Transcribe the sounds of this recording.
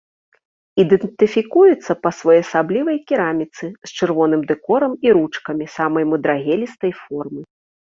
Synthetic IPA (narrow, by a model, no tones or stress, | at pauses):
id̪ɛnt̪ɨfʲikujut̪sːɐpɐsvɔjɐsablʲivɐjkʲiɾamʲit̪sɨst͡ʂɨrvɔn̪ɨmd̪ɛkɔɾɐmiɾut͡ʂkɐmʲisamɐjmɨd̪ɾaɣʲɛlʲist̪ɐjfɔrmɨ